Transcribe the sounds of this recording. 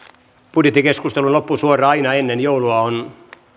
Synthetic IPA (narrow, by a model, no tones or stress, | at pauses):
pud̥jet̪ːikeskust̪elunlopːusuorˑɑɑinɑenːenjouluɑon